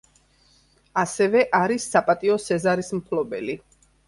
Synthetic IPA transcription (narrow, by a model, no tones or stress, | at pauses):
asɛvɛʔaɾisːapʼat̪ʼiɔsɛzaɾismpʰlɔbɛ̰li